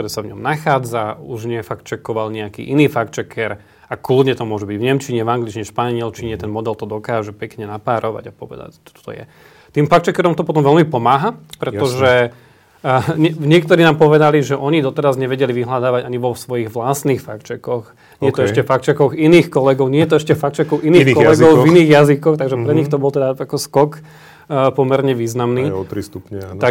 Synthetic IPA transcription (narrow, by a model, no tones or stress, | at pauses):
t̪ɔɾɛːsavɲɔ̰mnaxaːd͡zauʒɲɪɛfakt͡ʃɛkɔʋalɲɛakḭːʔiniːfakt͡ʃɛkɛɾ | aklud̪ɲɛt̪ɔmʊɔʒɛbiɟvɲɛmt͡ʃiɲɛvaŋɡlit͡ʃiɲɛʃpaɲɪɛlt͡ʃiɲɛt̪ɛnmɔd̪ɛlt̪ɔd̪ɔkaːʒɛpɛkɲɛnapaːɾɔʋa̰ɟapɔʋɛ̰d̪a̰ct̪ɔ̥t̪ɔ̥t̪ɔ̰jɛ̰ | t̪iːmfakt͡ʃɛkɛɾɔmt̪ɔpɔt̪ɔmʋɛlmipɔmaːɦapɾɛt̪ɔʒɛ | ɲɛɲɪɛk̚t̪ɔɾiːnaːmpɔʋɛd̪aliʒɛʔɔɲid̪ɔt̪ɛɾazɲɛʋɛɟɛliʋiɦlad̪aːʋaɟaɲiʋɔsʋɔjiɣʋlast̪niːxfakt͡ʃɛkɔx | ɲɪɛɛjt̪ɔɛʃcɛfakt͡ʃɛkɔɣiniːxkɔlɛɡɔʊɲɛjɛt̪ɔɛʃcɛfak̚t͡ʃɛkɔʊʔiniːxkɔlɛɡɔʊviniːɣjazikɔxt̪aɡʒɛpɾɛɲixt̪ɔbɔlt̪ɛd̪aakɔskɔkː | pɔmɛɾɲɛʋiːznamniːɔt̪ɾist̪upɲɛa